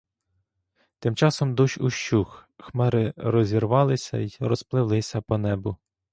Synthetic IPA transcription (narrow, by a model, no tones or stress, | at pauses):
t̪ɪmt͡ʃɑsɔmd̪uʃuʃt͡ʃuxxmɛɾɪɾɔzʲirʋɑlˠɪsʲɐ̰irɔsplˠɪʋlˠɪsʲɐpɔnɛbʊ